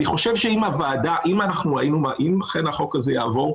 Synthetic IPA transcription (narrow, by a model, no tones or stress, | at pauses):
niχo̞ʃevʃeimavaːdaʔimanaχnuʁainumaʔimlaχe̞nhaχo̞kazejaːvo̞ʁ